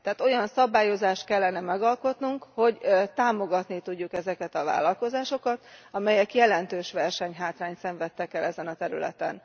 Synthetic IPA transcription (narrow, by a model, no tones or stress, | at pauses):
t̪ɛaːt̪o̞jɒnsɒbaːjo̞zaːʃt̪̚kɛlːɛnɛmɛɡɒlko̞t̪nuŋkho̞ɟt̪aːmo̞ɡɒt̪nit̪uɟːukɛzɛkɛt̪ɒva̰ːlɒlko̞zaːʃo̞kɒt̪ɒmɛjɛkjɛlɛnt̪øːʃʋɛrʃɛɲɦaːt̪raːɲt̪sɛɱvɛt̪ːɛkɛlɛzɛnɒt̪ɛɾylɛ̰t̪ɛ̰n